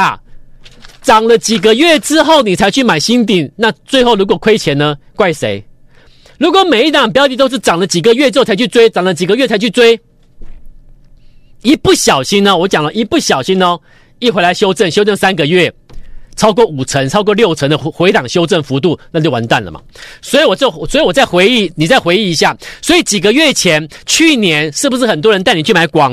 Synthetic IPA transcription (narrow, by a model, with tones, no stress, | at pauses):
a˨˩ | ʈ͡ʂɑ˨˩ŋlə˦t͡ɕi˨˩ɡə˦ɥɛ˥˩ʈ͡ʂɻ̩˦xo˥˩ʊni˨˩t͡sʰa˧˥ɪt͡ɕʰy˥˩ma˨˩ɪɕi˥nt̪̬i˥˨˩nna˥˧t͡swe˥˧ɪxo˥˩ʊlu˧˥k̬wɔ˨˩kʰwe˥ɪt͡ɕʰjɛ˧˥nnə˧ | kwa˥˩ɪʂe˧˥˦ɪ | lu˧˥kwɔ˨˩me˨ɪi˥˩t̪ɑ˨˩pjʊt̪i˨˩t̪o˥ʂɻ̩˥˩ʈ͡ʂɑ˨˩ŋlə˦t͡ɕi˨˩ɡə˦ɥɛ˥˩ʈ͡ʂɻ̩˥o˥˩t͡sʰa˧ɪt͡ɕʰy˥˧t͡swe˥ɪt͡sɑ˨˩ŋlə˧˦t͡ɕi˨˩ɡə˦ɥɛ˥˩t͡sʰa˧˥ɪt͡ɕʰy˥˩t͡swe˥ɪ | i˦˥pu˥˩ɕjɑ˨˩ʊɕi˥ŋnə˧wɔ˧˥t͡ɕjɑ˨˩ŋlə˦ʔi˧˦˥pu˥˩ɕjɑ˨˩ʊɕi˧˦nɔ˧˩ | i˥˩xwe˧˥ɪa˧˥ɪɕjo˥ʊʈ͡ʂə˥˩nɕjo˥ʊʈ͡ʂə˥˩nsa˥nɡə˨ɥɛ˥˩t͡sʰɑ˥ʊkwɔ˥˩u˨˩t͡sʰə˧˥ŋt͡sʰɑ˥ʊk̬wɔ˥˧ljo˥˩ʊt͡sʰə˧˥ŋd̪ə˧xwe˧˥ɪt̪ɑ˨˩ŋɕjo˥ʊʈ͡ʂə˥˩nfu˧˥t̪̬u˥˩na˥˧t͡ɕjwa˧˦nt̪a˥˩nlə̰˨˩mɐ̰˨˩swɔ˧˥i˨˦wɔ˨˩t͡ɕo˥˩swɔ˧˥i˨wɔ˨˩t͡sa˥˩ɪxwe˧˥ɪi˥˩ni˨˩t͡sa˥˩ɪxwe˧ɪi˧˩i˧˥ɕja˥˩swɔ˧˥i˨˩t͡ɕi˨˩ɡə˦ɥɛ˥˩t͡ɕʰjɛ˧˦nt͡ɕʰy˥˩njɛ˧˦nʂɻ̩˥˩bu˩ʂɻ̩˥˩xə˨˩nt̪̬wɔ˥ɻə˧˦nt̪a˥˩ni˨˩t͡ɕʰy˥˩ma˧˥ɪkwɑ˨˥˦ŋ